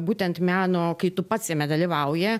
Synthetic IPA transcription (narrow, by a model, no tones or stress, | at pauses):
buːt̪ʲɛnt̪mʲæːnoːkɐɪt̪ʊpɐt̪sʲjʲɛmʲɛd̪ɐlʲiʋɐʊjɛ